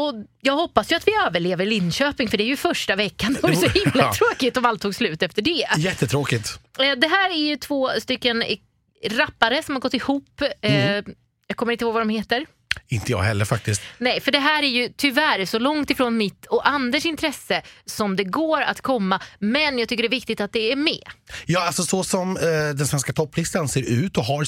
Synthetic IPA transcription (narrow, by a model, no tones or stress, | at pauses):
ɔjɑːɡhɔpːasjɵat̪vɪøːvəɭeːvəɾɭɪnːɕøːpɪŋfœɖɛæɾjɵfœʂʈavɛkːand̪ɛvajəsɔhɪmmːlat̪ʰɾoːkɪt̪ɔmalt̪ʰːuːɡslʉ̟ːt̪ɛft̪əɖɛjɛt̪ːət̪ʰɾoːkɪt̪d̪ɛɦæːɾæɾjɵt̪ʰvoːst̪ʏkːən | ɾapːaɾəsɔmhaɾɡɔt̪ːɪhuːpː | jakʰɔməɾɪnt̪ɪhoːɡvad̪ɔmheːt̪əɾ | ɪnt̪əjɑ̰ːɡɦɛlːəɾfak̚t̪ɪst̪nɛjfœɖɛɦæːɾæɾjɵt̪ʰʏvæːɾɛʂɔlɔŋt̪ɪfɾoːnmɪt̪ːɔʔand̪əʂɪnt̪ʰɾɛsːəsɔmd̪ɛɡoːɾa̰t̪kʰɔmːamɛnjɑːɡt̪ʰʏkːəɖɛɾvɪk̚t̪ɪt̪at̪̚d̪ɛæɾmɛ̰jɑːalsɔsɔsɔmd̪ɛnsvɛnskat̪ʰɔpːlɪst̪anseːɾʉ̟ːt̪ɔɦaɾ